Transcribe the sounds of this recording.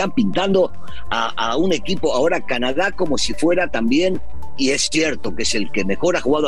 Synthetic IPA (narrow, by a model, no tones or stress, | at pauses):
ampint̪and̪o̞ | a | aune̞kipo̞ao̞ɾakanaðako̞mo̞sifwe̞ɾat̪ambje̞n | ie̞sːje̞ɾt̪o̞kese̞lke̞me̞xo̞ɾaxuɣaðo